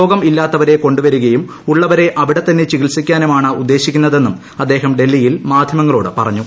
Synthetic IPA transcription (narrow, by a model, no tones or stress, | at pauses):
o̞ːɡɐmilːaːt̪ːɐʋɐɾe̞ko̞ɳɖuʋɐɾuɣɐjum | uɭːɐʋɐɾe̞ʔɐʋiɽet̪ːɐnːe̞t͡ɕiɣilsikʲːaːnumaːɳɨud̪ːe̞ːɕikʲːunːɐðe̞nːum | ɐd̪ːe̞ːɦɐmɖe̞lːijilmaːd̪ʱjɐmɐŋːɐɭo̞ːɽɨpɐrɐɲːu